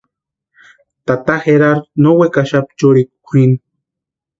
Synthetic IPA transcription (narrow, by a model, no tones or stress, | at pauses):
t̪at̪axeɾaɾnowekaʃapt͡ʃuɾikkʷʰin